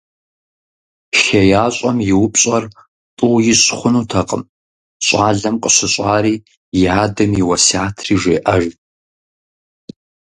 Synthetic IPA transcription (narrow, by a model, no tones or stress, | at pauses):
ʃɐjaːɕʷʼɐmjɪwʊpʼɕʼɐr | tʼʊwjɪɕʼχʷʊnuːtʰɐqʼə̰m | ɕʷʼaːɮɐmqʼəɕʷɨɕʷʼaːɾiː | jaːdɐmjɪwɐsaːtʰriːʒʷeːʔɐʒ